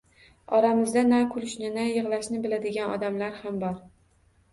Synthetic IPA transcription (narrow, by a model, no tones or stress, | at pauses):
ɒɾamɪzd̪anakʰʊlɪʃnɪnajɨʁlˠaʃnɪbɪlad̪ɪɡʲanɒ̰d̪amlaɾhambɒɾ